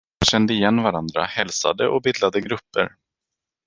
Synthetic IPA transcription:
ɕɛnd̪əɪjɛnːvaɾand̪ɾa̰hɛlsa̰d̪əʔɔbɪd̪lad̪əɡɾɵpːə̰ɾ

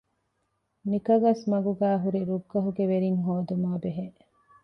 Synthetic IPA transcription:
nikɐɡɐsmɐɡuɡæːɦuɾiɾuɡːɐɦuɡeʋeɾiŋɦoːd̪umaːbeɦe

